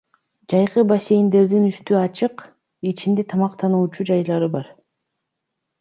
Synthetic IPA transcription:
d͡ʒɑjqɯbase̞jind̪e̞ɾd̪inyst̪yɑt͡ʃɯq | it͡ʃind̪e̞t̪ʰɑmɑqt̪ʰɑnuːt͡ʃud͡ʒɑjlˠɑɾɯbɑɾ

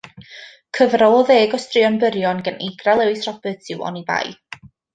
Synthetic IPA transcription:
kʰəvrɔlˠɔðeːɡɔstrɪɔnbəɾjɔnɡəneɡralˠɛwɨsrɔbətʰɪwɔ̰niba̰j

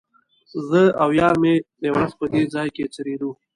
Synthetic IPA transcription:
zəawjɑmed̪ewɾazpəd̪ed͡zɑjket͡səɾed̪u

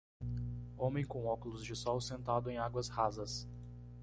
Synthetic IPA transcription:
õmẽj̃kõw̃ɔkʊlʊzd͡ʒɪsɔwsẽnt̪ad̪ʊẽj̃aɡwɐshazɐs

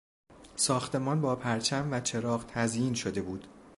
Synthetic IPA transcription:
sɒːxt̪e̞mɒːnbɒːpʰæɾt͡ʃʰæmvæt͡ʃʰe̞ɾɒːɢt̪ʰæzjiːnʃo̞d̪e̞buːd̪̥

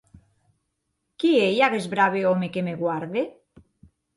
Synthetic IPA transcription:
kiejaɣezβɾaβeomekemeɣwaɾðe

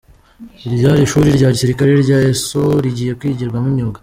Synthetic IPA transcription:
iɾɟaːɾiʃuːɾiɾɟaːɾisiɾikaɾeɾɟaːesoɾiɟiːje̞kwiːɟiɾɡwamuɲoɡa

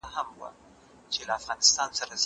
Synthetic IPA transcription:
hamwa̰ | t͡ʃelaafɣɑnɪst̪ɑnsaɾaz

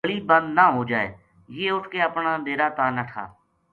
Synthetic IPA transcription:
əɭiːbə̃nd̪naːɦoːd͡ʒaːḛː | jeːʊʈʰkeːəpɳaːd̪eːɾaːt̪aːnəʈʰa̰ː

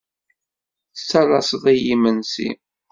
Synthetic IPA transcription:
θt͡sːɑlˤɑsəðˤæjimənsḭ

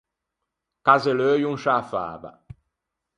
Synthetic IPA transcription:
kazeløːjuŋʃafa̰ːva̰

